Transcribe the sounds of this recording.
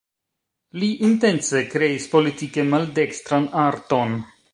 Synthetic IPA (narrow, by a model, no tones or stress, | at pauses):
liʔinte̞nt͡se̞kɾe̞ispo̞litike̞malde̞kst̪ɾanaɾto̞n